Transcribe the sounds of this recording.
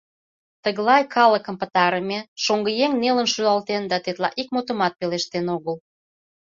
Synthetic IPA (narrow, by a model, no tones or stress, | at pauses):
t̪əɣlɑjkʰɑləkə̆mpət̪ɑɾəmeʃoŋɡəjeŋnelə̆nʃyɑlt̪end̪ɑt̪et̪lɑ̰ʔikmot̪ə̆mɑt̪̚peleʃt̪enoɣəl